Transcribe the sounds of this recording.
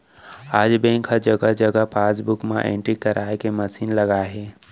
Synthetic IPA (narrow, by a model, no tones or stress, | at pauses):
aːd͡ʒbẽŋkʰad͡ʒəɡəd͡ʒəɡəpaːsbukmã̰ʔḛ̃ɳʈɾikəɾʔaːekeməsiːnləɡaɦe